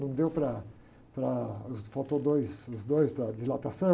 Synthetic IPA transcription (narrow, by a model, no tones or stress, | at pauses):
nɐ̃w̃d̪ewpɾɐ | pɾɐʊzfot̪od̪ojsʊzd̪ojspɾɐd͡ʒ̪izlat̪asɐ̃